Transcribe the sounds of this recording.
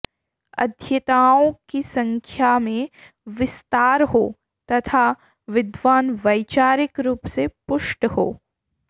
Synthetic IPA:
ɐ̰d̪ʱjɐt̪aːõkisɐ̃ŋkʰjamẽ | ʋɪst̪aːɾɦoː | t̪ɐt̪ʰa | ʋɪd̪ʋaːnʋɐjt͡ʃaːɾɪkɾuːpsepʊʃʈho̰ː

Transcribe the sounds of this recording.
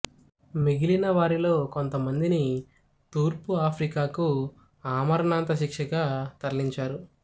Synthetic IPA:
miɡilinɐʋaːɾilo̞ːko̞nt̪ɐmɐnd̪ini | t̪uːɾpuaːpʰɾikaːku | aːmɐɾɐnaːnt̪ɐʃikʂɐɡaːt̪ɐɾliɲt͡ʃaːɾu

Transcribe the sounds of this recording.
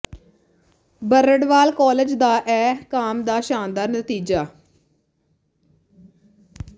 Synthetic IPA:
bəɾəɖʋaːlkɔːled͡ʒd̪aːʔɛːkaːmd̪aːʃaːnd̪aːɾnət̪iːd͡ʒaː

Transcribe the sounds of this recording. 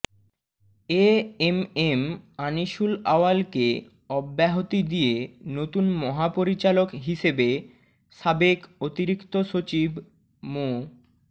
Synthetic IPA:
eememaniʃulaoalke | ɔbːɛɦot̪id̪ijenot̪unmɔɦapoɾit͡ɕalokɦiʃebe | ʃabekot̪iɾikt̪oʃot͡ɕib | mo

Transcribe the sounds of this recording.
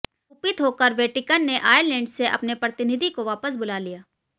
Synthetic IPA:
ʊpɪt̪ɦoːkəɾʋeːʈɪkənːeʔaːjəɾlɛ̃ːɳɖseʔɐ̰pnepɾɐt̪ɪnɪd̪ʱikoʋaːpəs̬bʊlaːlijaː

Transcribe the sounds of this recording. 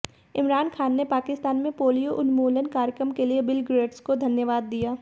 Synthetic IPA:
ɪmɾaːnxʰaːnːepaːkɪst̪aːnmẽpoːlijoʔʊnmoːlənkaːɾjəkɾəmkeliebɪlɡɾeːɖskod̪ʱɐnjəʋaːd̪ːijaː

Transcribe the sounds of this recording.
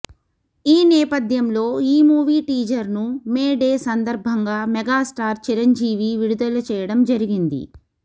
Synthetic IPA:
iːnɛːpɐd̪ʱjɐmlo̞ːiːmuːʋiːʈiːd͡ʒɐɾnumeːɖeːsɐnd̪ɐɾbʱɐŋɡaːmɛɡaːsʈaːɾt͡ʃiɾɐɲd͡ʒiːʋiʋiɽud̪ɐlɐt͡ʃɛːjɐɽɐmd͡ʒɐɾiɡind̪ḭ

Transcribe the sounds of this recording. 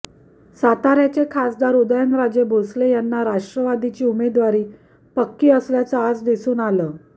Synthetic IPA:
sat̪aɾjat͡ɕekʰasd̪aɾud̪jənɾad͡ʑebʱoslejanːaɾaʂʈɾəʋad̪it͡ɕiːumed̪ʋaɾiː | pəkːiːəsljat͡səad͡zd̪isuːnaləː

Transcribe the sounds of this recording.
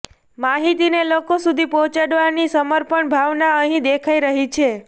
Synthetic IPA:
maɦit̪inelokosud̪ʱipɔ̃t͡ʃaɽʋaɾnisəməɾpəɳbʱaʋnaəɦĩd̪ekʰaiɾəɦit͡ʃʰe

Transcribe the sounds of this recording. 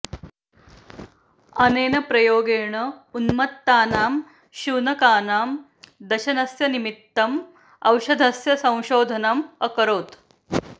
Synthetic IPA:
ɐneːnɐpɾɐjoːɡeːɳɐunmɐt̪ːaːnaːm | ʃuːnɐkaːnaːm | d̪ɐʃɐnɐsjɐnimit̪ːɐm | ɐwʃɐd̪ʱɐsjɐsɐ̃w̃ʃoːd̪ʱɐnɐmɐkɐɾoːt̪

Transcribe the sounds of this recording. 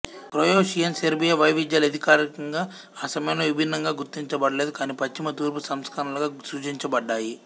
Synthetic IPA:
pɾoːjoːʃijɐnseɾbijɐʋɐjʋid͡ʒ̪jaːlɐd̪ʱikaːɾikɐŋɡaː | sɐmjɐmloːʋibʱinːɐŋɡaːɡuɾt̪iɲt͡ʃɐbɐɽɐleːd̪ukaːnipɐt͡ʃːimɐt̪uːɾpusɐmskaːɾɐluɡaːsuːt͡ʃiɲt͡ʃɐbɐɖːaːji

